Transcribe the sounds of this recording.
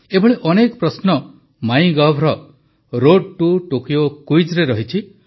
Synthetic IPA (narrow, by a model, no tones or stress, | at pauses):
ebʱɔɭeʔɔnekɔpɾɔsnɔ | maj̃ɡɔbʱɾɔ | ɾoɖ̚ʈuʈukijokuid͡ʒɾeɾɔɦit͡ʃʰi